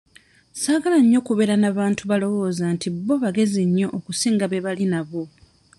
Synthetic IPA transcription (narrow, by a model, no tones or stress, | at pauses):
saːɡalaɲːo̞kuβe̞ɾanaβaːntuβalo̞wo̞ːzantʰibːo̞βaɡe̞ziɲːo̞ʔːkusiːŋɡaβeβalinaβo̞